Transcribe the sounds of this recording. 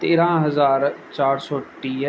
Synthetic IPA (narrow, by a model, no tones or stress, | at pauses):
t̪eːɾãːɦəzaːɾt͡ʃaːɾsɔːʈiː